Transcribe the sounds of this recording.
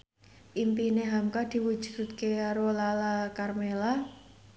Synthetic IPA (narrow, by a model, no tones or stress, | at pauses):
ʔimpineɦamkad̪̥i̤wud̥ʒ̥ṳt̪̚keɾolalakarmela